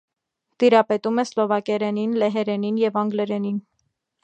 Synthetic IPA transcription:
t̪iɾɑpɛt̪umɛslɔvɑkɛɾɛninlɛɦɛɾɛninjɛvɑŋɡlɛɾɛnin

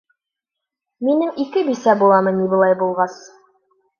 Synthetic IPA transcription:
minɘŋikɘbisæbulˠɑmɤnibɤ̆lˠɑjbulˠʁɑs

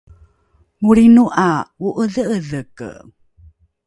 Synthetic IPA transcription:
ŋuɾinuʔauʔəðəəðəkə̰

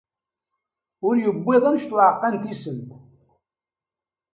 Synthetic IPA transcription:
ʊɾjəbːɪðˤənʃt̪ʊʕəqːant̪isəmt̪

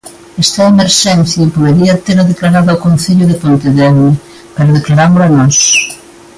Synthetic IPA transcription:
ɛst̪ɐemeɾʃɛn̟θjɐpoðeɾiɐt̪eɾaðeklaɾaðaokonθeʎʊðepont̪eðɛnɪ | paɾaðeklaɾamʊlanɔs

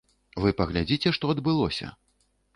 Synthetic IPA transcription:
vɨpɐɣlʲad͡zʲit͡sʲɛʂt̪ɔɐd̪bɨlˠɔsʲɐ̰

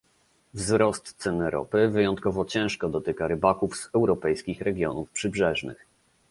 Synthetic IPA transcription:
vzɾɔst̪sɛnɛɾɔ̰pɘvɘjɔnt̪kɔvɔt͡ɕɛ̃w̃ʂkɔd̪ɔt̪ɘkaɾɘbakuvz̥ɛwɾɔpɛjskʲixɾɛɡʲjɔ̰nufpʂɘbʐɛʐnɘ̰x

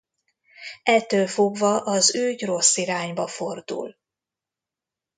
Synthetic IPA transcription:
ʔɛt̪ːøːlfo̞ɡvɒʔɒzøːɟro̞sːiɾaːɲbɒfo̞rd̪ṵl

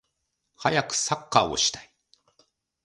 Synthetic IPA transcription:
hajakɯ̟̥sakːaːo̞̰ɕi̥t̪ḁi

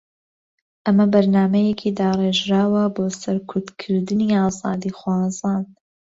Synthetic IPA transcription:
ʔɐmɐbɐɾnaːmɐjɛkʰiːd̪aːreːʒɾaːwɐboːsɐɾkʰʊɾd̪kʰɨɾd̪ɨniːɑːzɑ̰ːd̪iːxwɑːzaːn

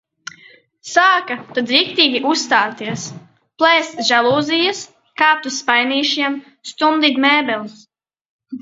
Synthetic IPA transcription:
saːkat̪ad̪zɾikt̪iːɡʲiʔusːt̪aːt̪iɛs | plˠɛːst̪ʒalˠuːzijas | kaːp̚t̪usːpajniːʃiɛm | st̪und̪it̪mɛːbɛlˠs

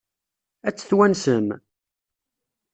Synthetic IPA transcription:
æt͡sːə̥θwænsəm

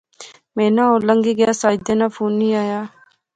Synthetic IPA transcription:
mẽːnaːoːləŋɡiːɡɪjaːsaːd̪eːnaːpʰuːniːaːjaː

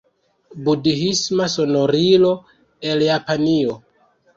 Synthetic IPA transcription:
budiɦismaso̞no̞ɾilo̞ | e̞ljapanio

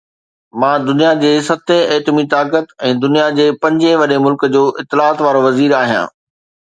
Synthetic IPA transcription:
mãːd̪ʊnijad͡ʑeːsɐt̪ʰẽɛːʈ̪mit̪aːkət̪ɛ̃ːd̪ʊnijad͡ʑeːpɐ̃ɲd͡ʑẽʋɐɗemʊlkəd͡ʑoːʔɪt̪ːɪlaːt̪ʋaːɾoʋɐziːɾaːɦijã̰ː

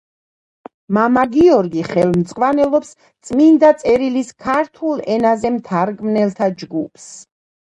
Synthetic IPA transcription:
mamaɡiɔɾɡiχɛlmt̪sʼqʼwanɛlˠɔps | t̪sʼmind̪at̪sʼɛɾiliskʰaɾt̪ʰulˠɛnazɛmt̪ʰaɾɡmnɛlˠt̪ʰad͡ʒɡupʰs

